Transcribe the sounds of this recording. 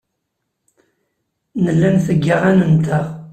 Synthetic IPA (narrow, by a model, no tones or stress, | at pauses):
nəlːænθəɡːaʁænənt̪aʁ